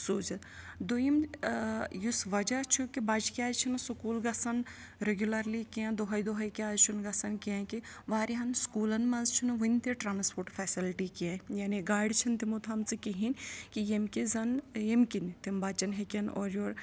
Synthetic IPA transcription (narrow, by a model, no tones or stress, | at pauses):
soːt͡ʃɐt̪d̪ojim | jusʋɐd͡ʒat͡ʃʰukibat͡ʃkʲaːzt͡ʃʰinɐsukuːlɡɐsɐn | ɾeɡʲjulɐɾlikiãd̪oɦɐjd̪oɦɐjkiaːt͡ʃʰunɡɐsɐnkiãːkiʋaːɾiɦɐnskuːlɐnmɐnzt͡ʃʰunʋɐnʲt̪eʈɾaːnspʰoːɾʈfʰɛːsilʈikiãjaːniɡaːɽt͡ʃʰɐnt̪imot̪ʰɐmt͡sɨkiɦinkijemkizɐnjemkint̪imbaːt͡ʃɐnɦekʲɐnɔːɾjoːɾ